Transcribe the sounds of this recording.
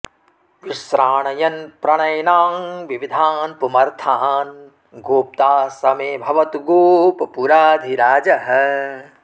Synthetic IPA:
ʋiʃɾaːɳɐjɐnpɾɐɳɐjnaːmʋiʋid̪ʱaːnpumɐɾt̪ʰaːn | ɡoːp̚t̪aːsɐmeːbʱɐʋɐt̪ɡoːpɐpuɾaːd̪ʱiɾaːd͡ʒɐɦɐ̆

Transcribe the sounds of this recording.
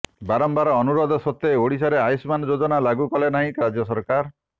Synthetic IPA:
baɾɔmbaɾɔːnuɾod̪ʱɔsot̪ːeoɽis̬aɾeajsmanɔd͡ʒod͡ʒɔnalaɡukɔlenaɦĩkɾad͡ʒjɔsɔɾkaɾ

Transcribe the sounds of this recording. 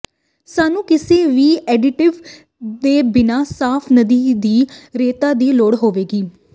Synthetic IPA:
saːnũːkɪseːʋiːɛːɖɪʈɪʋ | d̪eːbɪnaːsaːpʰnəd̪iːd̪iːɾeːt̪aːd̪iːloːɽɦoːʋeːɡiː

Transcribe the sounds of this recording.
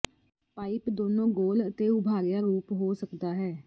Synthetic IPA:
paːipd̪oːnõːɡoːlət̪eːʊbʱaːɡjaːɾuːpɦoːsəkd̪aːɦɛː

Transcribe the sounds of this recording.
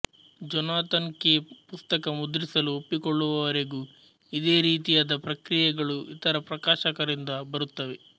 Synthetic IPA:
d͡ʒɔnaːt̪ɐnkepust̪ɐkɐmud̪ɾisɐluopːikoɭːuʋɐʋɐɾe̞ɡu | id̪e̞ːɾiːt̪̬ijaːd̪ɐpɾɐkɾijɛɡɐɭuit̪ɐɾɐpɾɐkaːʃɐkɐɾind̪ɐbɐɾut̪ːɐʋe̞

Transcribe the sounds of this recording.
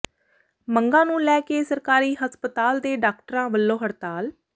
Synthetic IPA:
məŋɡãːnũːlɛːkeːsəɾkaːɾiːɦəspət̪aːld̪eːɖaːk̚ʈəɾãːʋəlːoːɦəɾt̪aːl

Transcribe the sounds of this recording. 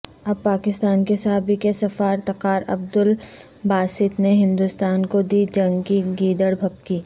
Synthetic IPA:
ɐb̚paːkɪst̪aːnkesɐɦaːbikesɐfaːɾt̪ɐqaːɾɐ̰b̚d̪ʊl | baːsɪt̪neɦɪ̃nd̪ust̪aːnkod̪iːd͡ʒɐ̃ŋɡkiɡiːd̪əɽbʱɐpkiː

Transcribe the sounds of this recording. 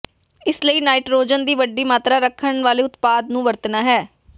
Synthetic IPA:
ɪsləiːnaːiːʈɾoːd͡ʒənd̪iːʋəɖiːmaːt̪ɾaːɾəkʰːəɳʋaːleːʊt̪paːd̪nũːʋəɾt̪naːɦɛː

